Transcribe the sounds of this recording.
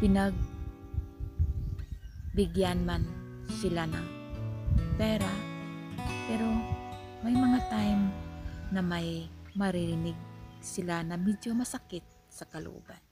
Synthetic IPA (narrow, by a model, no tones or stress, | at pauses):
pɪnɐɡ̚ | bɪɡjanman | sɪlanɐŋ | p̪ɛɾa | pɛɾo̞ | mɐjmɐŋat̪ajmnɐmajmɐɾɪɾɪnɪɡ̚sɪlanɐmid͡ʒomɐsakɪt̪̚ | sɐkɐlo̰ʔṵban